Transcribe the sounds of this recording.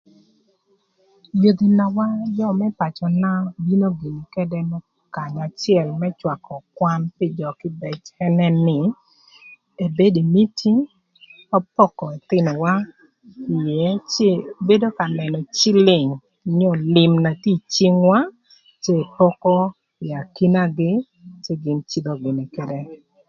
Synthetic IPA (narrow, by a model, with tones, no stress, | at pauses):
jo˨d̪i˨na˨wa˦jɔ˦mɛ˦pa˨t͡ʃɔ˨na˦bi˦no˦ɡi˨ni˨kɛ˦dɛ˦mɛ˦ | ka˨ɲa˨t͡ʃjɛ˨lmɛ˦t͡ʃwa˨kɔ˨kwa˦npɪ˦˨d͡ʒɔ˨kɪ˦bɛ˨t͡ʃɛ˦nɛ˦nɪ˨ | e˨be˦di˨mi˦tʰi˦ | ɔ˦pɔ˦kɔ˨e˨t̪ɪ˦nɔ˨wa˦ | ɪ˨jɛ˨˦t͡ʃe˦˨be˦do˦ka˨nɛ˨nɔ˨t͡ʃɪ˦lɪ˨ŋ˨ | ɲɔ˦˨lɪ˨mna˨ti˦t͡ʃi˦ŋwa˦ | t͡ʃeː˦˨pɔ˦kɔ˦ | ɪ˨a˨ki˦na˦ɡɪ˦ | t͡ʃe˦ɡɪ˨nt͡ʃi˦d̪ɔ˨ɡɪ˨ni˨kɛ˦dɛ˦